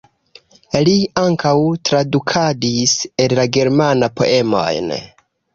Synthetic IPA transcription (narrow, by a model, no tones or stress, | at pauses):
liaŋkawtɾadukʰadisellaɡe̞ɾmanapo̞̰ʔe̞mo̞̰jn